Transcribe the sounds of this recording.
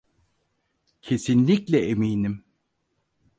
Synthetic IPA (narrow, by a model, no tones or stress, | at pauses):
cʰe̞sinlʲiclʲɛemiːnim